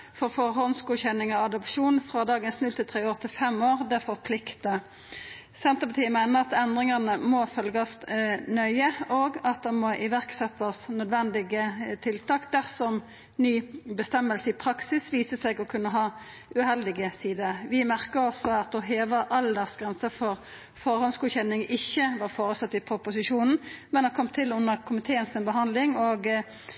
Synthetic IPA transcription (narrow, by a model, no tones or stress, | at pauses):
fɔʁfɔʁɦɔnskuːçɛnɪŋɑɑd̪ɔpʃuːnfʁɑd̪ɑːɡənsnʉlt̪ʰɪlt̪ʰʁeːoːʁt̪ʰɪlfɛmoːʁd̪ɛfɔʁpʰlɪkt̪ə | sɛnt̪əpɑt̪ʰiːəmɛɪnəʁɑt̪ɛnd̪ʁɪŋɑnəmɔfœlɡɑst̪nœʏəoːɡɑt̪̚d̪ɛmɔʔɪʋæʁksɛt̪ːɑsnœd̪ʋɛnd̪ɪɡət̪ʰɪlt̪ʰɑːkd̪æʁsɔm | nyːbəst̪ɛmːəlsəɪpʰɾɑksɪsʋiːsəsɛɡɔkʰʉnːəɦɑː | ʉhɛld̪ɪɡəsiːd̪əɾʋɪmæʁkəʁɔsɔɑt̪̚d̪ɛɦeːʋəʔɑld̪ɛʁsɡɾʁɛnsəfɔʁ | fɔʁhɔnsɡʉːçɛnɪŋɪçːəʋɑːʁfoːɾəsɑt̪ːɪpʰɾʊpʊsɪʃuːnn̩mɛnɑkʰɔmt̪ʰɪlʉnːəʁkʰʊmɪt̪ʰeːənsɪnbəɦɑnd̪lɪŋoːɡ